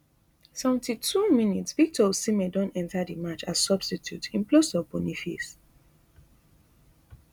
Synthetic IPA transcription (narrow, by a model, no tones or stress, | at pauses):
sɛṽn̩titʰuminitsvik̚tʰɔsimɛdɔ̃nɛ̃ntadimat͡ʃassɔb̥stitʰjutʰĩnplosɔbɔnifis